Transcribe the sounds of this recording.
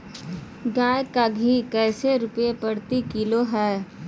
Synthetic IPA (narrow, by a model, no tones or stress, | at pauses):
ɡaːjkaɡʱikɛːseɾʊpepɐɽt̪ikiloɦɛː